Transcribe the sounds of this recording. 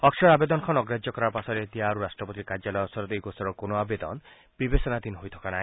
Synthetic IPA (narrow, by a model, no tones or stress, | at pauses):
ɔkʃɔɾabed̪ɔnɔkʰɔnɔɡɾad͡ʒjɔkɔɾaɾpasɔɾet̪iaɾuɾasʈɾɔpɔt̪̬ikaɾd͡ʒalɔjɔsɔɾɔt̪ejkosɔɾɔkonoabed̪ɔ̰n | b̥ibesɔnad̪inɦojt̪ʰɔ̥kanaɦĩ